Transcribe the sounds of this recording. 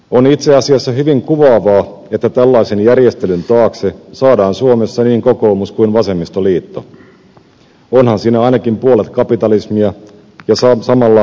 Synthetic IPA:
onit̪se̞ɑsiɑsːɑɦyʋiŋkuʋɑːʋɑː | e̞t̪ːæt̪ælːɑjse̞njærje̞st̪elynt̪ɑːksesɑːdɑːnsuo̞me̞sːɑniːŋko̞ko̞ːmuskuinʋɑse̞mːist̪oliːt̪ːo̰ | onhɑnsiːnæɑjnɑkimpuo̞let̪kɑpit̪ɑlismiɑ | jɑssɑmɑlːɑ

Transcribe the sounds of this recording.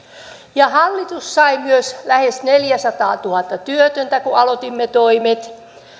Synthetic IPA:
jɑhɑlːit̪ussɑimyøslæhesneljæsɑt̪ɑːt̪uhɑt̪ːɑt̪yøt̪ønt̪ækuɑlot̪imːet̪oimet̪

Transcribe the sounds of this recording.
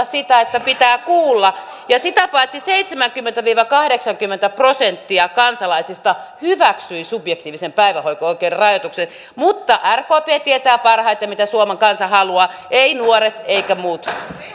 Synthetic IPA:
ssit̪æet̪ːæpit̪æːkuːlːɑ | jɑsit̪æpɑit̪siseit̪semæŋkymːent̪æʋiːʋɑkɑhdeksɑŋkymːent̪æprosent̪ːiɑkɑnsɑlɑisist̪ɑhyʋæksyisubjek̚t̪iːʋisempæiʋæhoikooikeːrrɑjot̪uksen | mut̪ːɑʔærkoːpeːt̪iet̪æːpɑrhɑit̪jɑmit̪æsuomeŋkɑnsɑhɑluɑː | ʔeinuoɾet̪eikæmuːt̪

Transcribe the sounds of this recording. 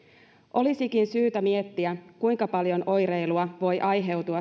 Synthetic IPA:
ʔo̞lisikinsyːt̪æmie̞t̪ːiækujŋkɑpɑljo̞nʔo̞jɾe̞jluɑʋo̞jʔɑjɦe̞wt̪uɑ

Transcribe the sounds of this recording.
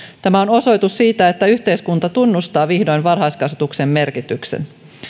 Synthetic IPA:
t̪æmæono̞so̞jt̪ussiːt̪æe̞t̪ːæyçt̪e̞jskunt̪ɑt̪unːust̪ɑːʋihdojnʋɑrɦɑjskɑset̪ukse̞mːe̞rkit̪yksḛn

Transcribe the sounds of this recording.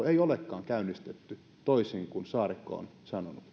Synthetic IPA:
eiolekːɑːŋkæynːˑist̪et̪ːy | t̪oisiŋkunsɑːrikːo̰o̰nsɑnonut̪

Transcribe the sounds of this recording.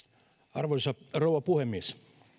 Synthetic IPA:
ɑrʋoisɑrowɑpuhemːies

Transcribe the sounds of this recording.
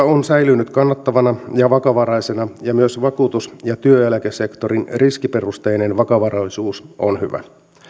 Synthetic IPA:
onsæjlynːyt̪kɑnːɑt̪ːɑʋɑnɑjɑʋɑkɑʋɑɾɑjsenɑjɑmyøsʋɑkuːt̪usjɑt̪yøjælækese̞kt̪o̞ɾinriskipe̞rust̪ejnenʋɑkɑʋɑrɑlisuːso̰nhyʋæ̰

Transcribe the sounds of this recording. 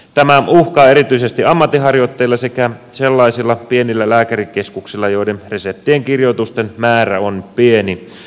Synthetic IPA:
t̪æmæuhkɑːeɾit̪yisest̪iɑmːɑt̪ːiɦɑrjot̪ːeilːɑsekæselːɑisilːɑpienilːælæːkærikeskuksilːɑjoidenresep̚t̪ːieŋkirjot̪ust̪enmæːræonpieni

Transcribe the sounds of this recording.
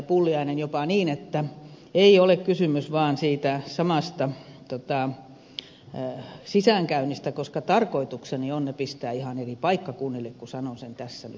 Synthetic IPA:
pulːiɑinenjopɑniːnet̪ːæ | eiolekkysymysʋɑːnsiːt̪æsɑmɑst̪ɑt̪ot̪ɑˑ | sisæˑŋkæynist̪ækoskɑt̪ɑrkoit̪uksenionnepist̪æːihɑneripɑikːɑkunːilːˑekkusɑnonsent̪æsːænyt̪

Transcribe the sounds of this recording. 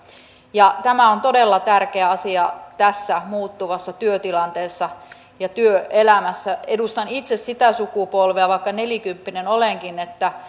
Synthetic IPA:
jɑt̪æmæont̪odelːɑt̪ærkeæɑsiɑt̪æsːæmuːt̪ːuʋɑsːɑt̪yøt̪ilɑnt̪eːsːɑ | jɑt̪yøelæmæsːæedust̪ɑnit̪sessit̪æsukupolʋeæʋɑikːɑnelikympːinenoleŋkinet̪ːæ

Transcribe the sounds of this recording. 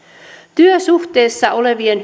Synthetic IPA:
t̪yøsuht̪e̞ːsːɑole̞ʋienɦ

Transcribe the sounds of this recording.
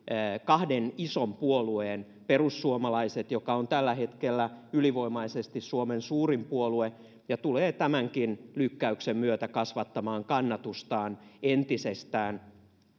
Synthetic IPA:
kɑhdenisompuolueːn | perusːuomɑlɑiset̪jokɑont̪ælːæhet̪kelːæyliʋoimɑisest̪issuomensuːrimpuolue | jɑt̪uleːt̪æmæŋkinlykːæyksemmyøt̪ækɑsʋɑt̪ːɑmɑːŋkɑnːɑt̪ust̪ɑːnent̪isest̪æːn

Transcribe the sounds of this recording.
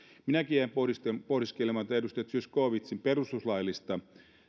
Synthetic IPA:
minækijæmpoispohdiskelemɑt̪ɑedust̪ɑjɑt̪syøskoːʋit̪simperust̪uslɑjlːist̪ɑ

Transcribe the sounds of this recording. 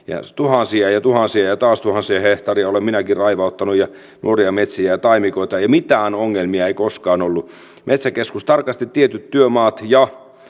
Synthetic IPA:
jɑ̰t̪uhɑnsiɑjɑt̪uhɑnsiɑjɑt̪ɑːst̪uhɑnsiɑheht̪ɑriɑolemminækirrɑiʋɑut̪ːɑnujɑ | nṵoriɑmet̪siæjɑt̪ɑimikoit̪ɑjɑmit̪æːnoŋːelmiɑeikoskɑːnolːu | mʔet̪sækeskust̪ɑrkɑst̪it̪t̪ːiet̪yt̪tyømɑːt̪jɑ

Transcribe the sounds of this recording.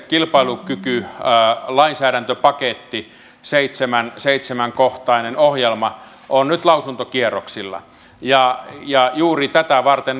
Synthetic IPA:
kilpɑilukyky | lɑinsæːɾænt̪øpɑket̪ːi | seit̪semænseit̪semæŋkoht̪ɑinenohjelmɑ | ʔonnyt̪lɑusunt̪okieroksilːɑ̰ | jɑjɑjuːrit̪æt̪æʋɑrt̪en

